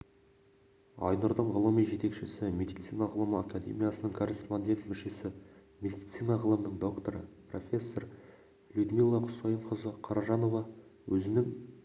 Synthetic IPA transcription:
ɑ̰jnʊɾd̪əɴʁəlˠəmijʒe̞t̪e̞kʃɪsɪme̞d̪ijt̪sinaʁəlˠəməakad̪ḛmʲijasənəɴkʰo̞rʲe̞spo̞nʲd̪ʲe̞nt̪mʏʃe̞sɪ | mʲe̞d̪ijt̪sijnaʁəlˠəmənəɴd̪o̞kt̪o̞ɾəpro̞̰fʲe̞sːo̞r | lʲud̪milˠːɑqʰʊ̥sojəɴqʰəzəqʰɑɾɑʒɑnovɑwɵzɪnɪŋ

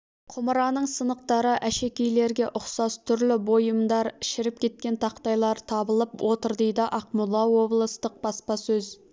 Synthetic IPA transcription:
qʰʊməɾɑnəɴsənəq̚t̪ɑɾəʔæʃe̞kʲejle̞ɾɡʲe̞ʔʊqsɑst̪ʰʏɾlɪbo̞jəmd̪ɑɾʃɪɾɪp̚kʲʰe̞t̪̚kʲe̞nt̪ʰɑqt̪ɑjlˠɑɾt̪ʰɑbəlˠəpwʔo̞t̪əɾd̪e̞jd̪ɪʔɑqmʊlˠːɑwo̞blˠəst̪əq̚b̥ɑspɑsɵz

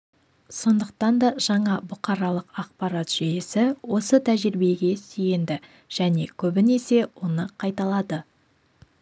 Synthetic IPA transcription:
so̞nd̪əq̚t̪ɑnd̪ɑʒ̥ɑɴɑbʊqɑɾɑlˠəqɑq̚pɑɾɑt̪ʒ̥ejesɪwo̞sət̪ʰæʒɪɾbe̞ɡʲe̞sije̞nd̪ɪ | ʒ̥æne̞kʲʰɵbɪne̞se̞wo̞nəqʰɑjt̪ɑlˠɑd̪ə

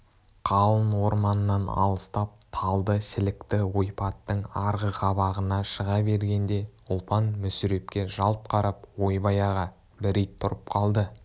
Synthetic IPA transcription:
qʰɑlˠənwo̞ɾmɑnəːɑnɑ̰lˠəst̪ɑp̚t̪ʰɑlˠd̪əʃɪlɪkt̪ɪwo̞jpɑt̪ːəɴɑɾʁəqʰɑβɑʁənɑʃəʁɑbe̞ɾɡʲe̞nd̪e̞ʊlˠpɑnmʏsʏɾe̞p̚kʲe̞ʒɑlˠt̪̚qʰɑɾɑp̚wo̞jbɑjɑʁɑ | bɪɾejt̪ʰːʊɾəp̚qʰɑlˠd̪ə

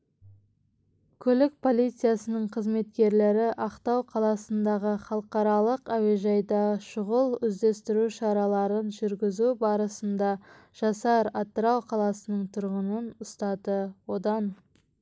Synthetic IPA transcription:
kʲʰɵlɪk̚pʰo̞lijt̪sɨjasənəɴqʰəzme̞t̪kʲe̞ɾle̞ɾɪʔɑqt̪ɑwqʰɑlˠɑsənd̪ɑʁəχɑlˠəqɑɾɑlˠəqæwe̞ʒɑjd̪ɑʃʊʁəlˠʏzd̪e̞st̪ɪɾuʃɑɾɑlˠɑɾənʒʏɾɡʲɪzubɑɾəsənd̪ɑ | ʒ̥ɑsɑɾɑt̪ːəɾɑwqʰɑlˠɑsənəɴt̪ʰʊɾʁənənʊst̪ɑd̪əwo̞d̪ɑn

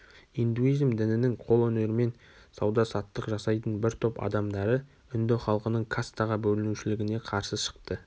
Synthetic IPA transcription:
ijnd̪uizmd̪ɪnɪnɪŋqʰo̞lˠɵne̞ɾɪme̞n | sɑwd̪ɑsɑt̪ːəqʒɑsɑjt̪ənbɪɾt̪ʰøpɑ̰d̪ɑmd̪ɑɾə | ʏnd̪eχɑlˠqənəɴkʰast̪aʁɑbɵlɪnuʃɪlɪɡʲɪne̞qʰɑɾsəʃə̥q̚t̪ə

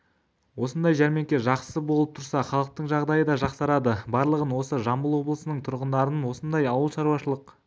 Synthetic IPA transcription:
wo̞sənd̪ɑjʒæɾme̞ŋkʲe̞ʒɑqsəbolˠəp̚t̪ʰʊɾsɑχɑlˠəq̚t̪əɴʒɑʁd̪ɑjəd̪ɑʒɑqsɑɾɑd̪əbɑɾlˠəʁənwo̞səʒɑmbəlˠwo̞blˠəsənəɴt̪ʰʊɾʁənd̪ɑɾənwo̞sənd̪ɑjɑwəlˠʃɑɾuwɑʃəlˠəq

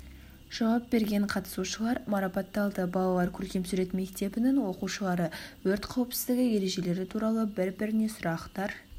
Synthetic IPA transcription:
ʒ̥ɑwɑp̚be̞ɾɡʲe̞ɴqʰɑt̪ə̥suʃəlˠɑɾmɑɾɑpɑt̪ːɑlˠd̪əbɑlˠɑlˠɑɾkʲʰɵlkʲe̞msʏɾe̞t̪me̞k̚t̪e̞bɪnɪnwo̞quʃəlˠɑɾəwɵɾt̪qʰɑwəpsɪ̥zd̪ɪɡʲɪje̞ɾe̞ʒe̞le̞ɾɪt̪ʰuɾɑlˠəbɪɾbɪɾɪne̞sʊɾɑqt̪ɑɾ

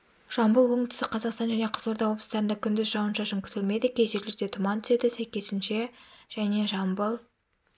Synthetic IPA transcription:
ʒ̥ɑmbəlˠwɵŋɪŋt̪ʰɪ̥sɪqʰɑzɑqst̪ɑnʒæne̞qʰəzoɾd̪ɑwo̞bˠəst̪ɑɾənd̪ɑkʲʰʏnd̪ɪzʒɑwənʃɑʃəŋkʲʰʏ̥t̪ɪlme̞d̪ɪkʲʰe̞jʒe̞ɾleɾd̪e̞t̪ʰʊmɑnt̪ʰʏ̥se̞d̪ɪsæjkʲe̞sɪnʃe̞ʒ̥æne̞ʒɑmbəlˠ

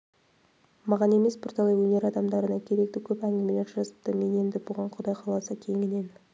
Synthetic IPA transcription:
mɑʁɑne̞me̞sbʊɾt̪ʰɑlˠɑjwɵne̞ɾɑd̪ɑmd̪ɑɾənɑkʲʰe̞ɾe̞k̚t̪ɪkʲʰɵpæŋɡʲɪme̞le̞ɾʒɑzəp̚t̪əme̞ne̞nd̪ɪbʊʁɑɴqʰʊd̪ɑjqʰɑlˠɑsɑkʲʰe̞ŋʲɪne̞n

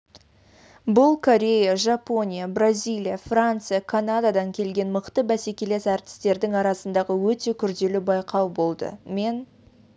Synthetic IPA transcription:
bʊlˠkʰo̞ɾʲe̞jaʒapo̞nʲijabrazʲijlˠijafrant̪sɨjakʰanad̪ad̪ɑŋkʲʰe̞lɡʲe̞nməqt̪əbæse̞kʲe̞lesæɾt̪ɪ̥st̪e̞ɾd̪ɪŋɑɾɑsənd̪ɑʁəwɵt̪e̞kʲʰʏɾd̪e̞lɪbɑjqɑwbo̞lˠd̪ə̰me̞n

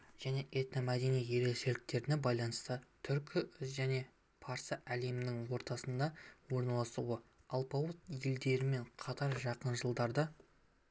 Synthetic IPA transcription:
ʒ̥æne̞ʔe̞t̪nomæd̪e̞nijje̞ɾe̞kʃe̞lɪk̚t̪e̞ɾɪne̞bɑjlˠɑnəst̪ət̪ʰʏɾkʲɪʒæne̞ | pʰɑɾsəʔæle̞mɪnɪŋwo̞ɾt̪ɑsənd̪ɑwo̞ɾnɑlˠɑsuwəɑlˠpɑwət̪jeld̪e̞ɾɪme̞ɴqʰɑt̪ɑɾʒɑqənʒəlˠd̪ɑɾd̪ə

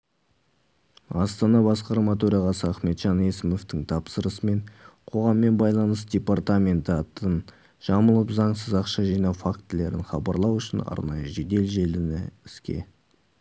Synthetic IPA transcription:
ɑst̪ɑnɑbɑsqɑɾmɑt̪ʰɵɾɑʁɑsəɑχme̞t̪ʒɑne̞sɪmo̞ft̪ɪŋt̪ʰɑpsəɾəsəme̞nqʰo̞ʁɑmːe̞nbɑjlˠɑnəsd̪ʲe̞part̪amʲe̞nt̪əɑt̪ːən | ʒ̥ɑməlˠəpzɑɴsəzɑqʃɑʒijnɑwfakt̪ɪle̞ɾɪnχɑbɑɾlˠɑwʏʃɪnɑ̰ɾnɑjəʒe̞d̪e̞lʒe̞lɪnɪɪskʲḛ

